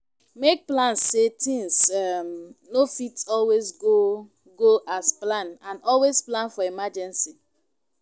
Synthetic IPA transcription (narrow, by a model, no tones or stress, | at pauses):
mek̚plãnsːetʰĩŋsɛmnofitɔlwesɡo | ɡoʔasplãnãnɔlwesplãnfɔimad͡ʒɛ̃nsi